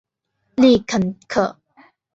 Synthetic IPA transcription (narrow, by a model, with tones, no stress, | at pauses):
li˥˨kʰə˨nkʰə˨